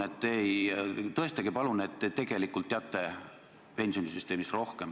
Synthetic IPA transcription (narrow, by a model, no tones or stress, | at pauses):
et̪ːejt̪ɤ̞e̞st̪eɡ̥ipɑlunet̪ːet̪e̞ɡ̥e̞likːˑult̪ːeɑt̪ːˑe | pe̞nʲsio̞nisyst̪eːmisro̞hkem